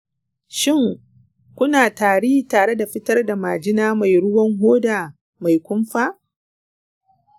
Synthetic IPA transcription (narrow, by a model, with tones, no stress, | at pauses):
ʃɪ˦˨ŋ | kʷʊ˦naː˨taː˨ɽiː˦taː˨ɽe˦da˨ɸɪ˦tɐ˦rda˨maː˨d͡ʒɪ˦naː˦ma˨jɽʊ˦wɐ˦ŋɦoː˦daː˨ | ma˨jkʷʊ˦mɸaː˦